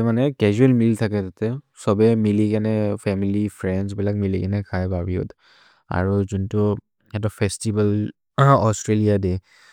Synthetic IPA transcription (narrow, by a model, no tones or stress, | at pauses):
manɛkɛzuɛlmiltʰakɛtatɛ | sɔbɛmilikanɛpʰɛmilipʰɹɛnsbilak̚milikanɛkʰajbaɹiɔ̰t | a̰ɹuzuntʊ | ɛtɔpʰɛstibal | ɔstɹelijadɛ